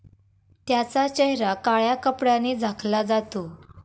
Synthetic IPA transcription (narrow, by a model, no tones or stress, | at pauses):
t̪jat͡sat͡ɕeɦɾakaɭjakəpɽaned͡zʱakʰlad͡zat̪o